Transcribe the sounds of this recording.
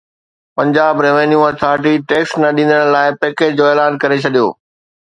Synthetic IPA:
pɐ̃ɲd͡ʑaːbɾeːʋenjuɐt̪ʰaːɾʈ̬iʈeːksnɐɗĩnd̪əɽ̃laːɪpeːkeːd͡ʑd͡ʑoːeːlaːnkɐɾet͡ɕʰɐɗijo̰ː

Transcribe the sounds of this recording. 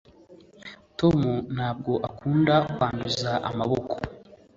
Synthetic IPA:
to̞mun̥haːb̚ɡo̞ʔakuːndakwaːnduzzaʔa̰maβo̞ko̥

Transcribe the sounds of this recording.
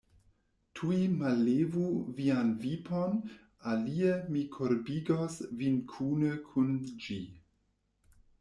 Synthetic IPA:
tʰuimalevuvianvipʰon | aliemikʰoɾbiɡosvinkʰunəkʰund͡ʒi

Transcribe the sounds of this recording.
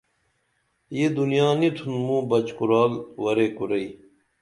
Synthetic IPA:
jed̪unijaːnit̪ʰunmũːbɐt͡ɕkuɾaːlwɐɾeːkuɾɐi

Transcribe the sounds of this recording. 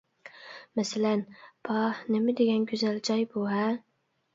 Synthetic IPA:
mæsalænpʰɑnɪmɪd̪eɡʲɛnɡʲyzæld͡ʒɑjbuɦæ

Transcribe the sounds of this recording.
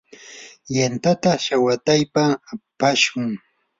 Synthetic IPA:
jant̪at̪aʃawat̪ajpapaʃʊŋ

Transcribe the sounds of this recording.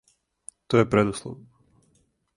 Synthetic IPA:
t̪ojepɾed̪uslˠo̰ʋn

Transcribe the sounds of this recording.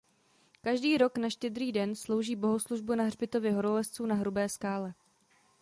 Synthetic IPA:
kaʒdiːɾo̞knaʃcɛd̪ɾiːdɛnslo̞wʒiːbo̞ɦo̞sluʒbunaɦrbɪt̪o̞vɪɦo̞ɾolɛst͡suːnaɦɾubɛːskaːlɛ

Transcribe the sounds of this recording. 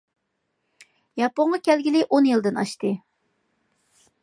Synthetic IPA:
jɑpoɴʁɑkʲʰɛlɡʲilɪʔonjɨlˠd̪ɨnɑʃt̪ɨ

